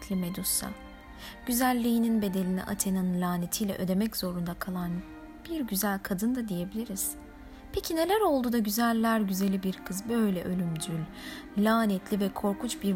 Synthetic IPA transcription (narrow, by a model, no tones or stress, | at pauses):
t̪ʰlʲimed̪usa̰ | ɟ̥yzælʲːijininbe̞d̪e̞lʲinḭʔa̰t̪ʰe̞nanlʲaːnet̪ʰijlʲɛ̰ʔød̪e̞mɛczo̞ɾund̪akʰalˠan | b̥iɾɟyzælʲkʰad̪ɯnd̪ad̪ije̞bilʲiɾiz̥ | pʰecʰine̞lʲæɾo̞lˠd̪uːd̪aɟyzælʲːæɾɟyze̞lʲibiɾkʰɯzbø̞jlʲɛʔølʲymd̪ylʲ | lʲaːnɛt̪ʰlʲivɛkʰo̞ɾkut͡ʃbiɾ